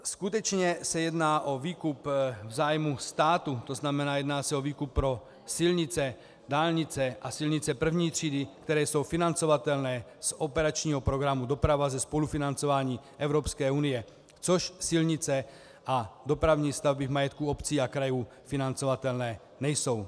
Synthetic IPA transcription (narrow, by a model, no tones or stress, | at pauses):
skut̪ɛt͡ʃɲɛsajɛd̪naːʔɔviːkupvzaːjmust̪aːt̪ut̪ɔznamɛnaːjɛd̪naːsɛɔʋiːkupːɾɔ | silɲit͡sɛ | d̪aːlɲit͡sɛʔasilɲit͡sɛpr̩vʊɲiːt̪r̝iːd̪ikt̪ɛɾɛːsɔwfinant͡sɔʋat̪ɛlnɛːz̥ɔpɛɾat͡ʃɲiːɦɔpɾɔɡɾamud̪ɔpɾaʋazɛspɔlufinant͡sɔʋaːɲiː | ɛʊɾɔpskɛːuːnijɛ | t͡sɔʃsilɲit͡sɛ | ad̪ɔpɾaʊɲiːst̪avbivmajɛt̪kuɔpt͡siːakɾajuː | finant͡sɔʋat̪ɛlnɛː | ɲɛjsɔw